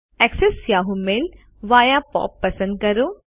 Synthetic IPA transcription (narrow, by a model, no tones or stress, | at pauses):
ɛksesjaːɦumel | ʋaːjapɔ̰ːpːɐsə̃nd̪̚kɐɾo